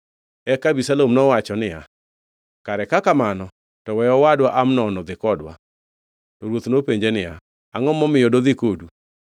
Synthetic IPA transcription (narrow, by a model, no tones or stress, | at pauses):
ɛkabisalomnɔwat͡ʃɔnɪja | kaɾɛkakamanɔ | tɔwɛjɔwadwaʔamnɔnɔd̪ɪkɔdwa̰ | tɔɾwot̪nopeɲd͡ʒenɪja̰ | aŋɔmɔmɪjɔdod̪ɪkodu